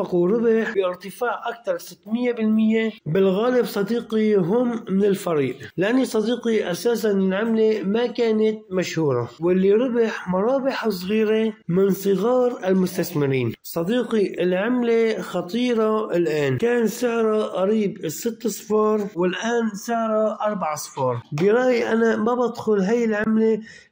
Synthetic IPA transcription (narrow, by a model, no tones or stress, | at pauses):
ɑquɾɪbɪħbɪʔɪɾt̪ɪfaːʕʔak̚t̪ɑɾˤsɪt̪ːmɪjːebɪlmɪjːebɪlɣaːlɪbsˤɑd̪iːqiɦʊmːɪnɪlfɑɾiːʔlɪʔanːisˤɑd̪iːqiʔasaːsanɪlʕamlemakaːnat̪̚maʃhuːɾˤɑwɪlːiɾɪbɪħmʊɾˤɑːbɪħaws̬ˤɣiːɾemɪnsˤɨɣɑːɾˤɪlmʊst̪asmɪɾiːnsˤɑd̪iːqiʔɪlʕɪmlexɑt̪ˤiːɾˤɑɪlʔaːnkaːnsɪʕɾˤɑʔɑɾiːbsɪt̪ːsˤfɑːɾˤwɪlʔaːnsɪʕɾˤɑʔɑɾˤbaʕsˤfɑːɾˤbɪɾˤɑːʔjʔanamabad̪xʊlɦajɪlʕɪmle